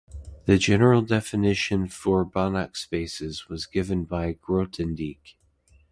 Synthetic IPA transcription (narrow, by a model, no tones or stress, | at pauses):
ðɨd͡ʒɛnə˞l̩ˠdɛfɨnɪʃɨ̃nfə˞bɑnəkspeɪsɨzwʌzɡɪvɨ̃nbaɪɡ̥ɹoʊtʰɨ̃ndik